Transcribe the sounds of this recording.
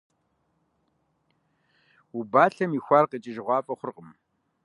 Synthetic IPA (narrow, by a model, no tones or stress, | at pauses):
ubaːɬɐmiːxʷaːrqət͡ʃʼɪʒʁʷɑːpʼɐχʷʊrqəm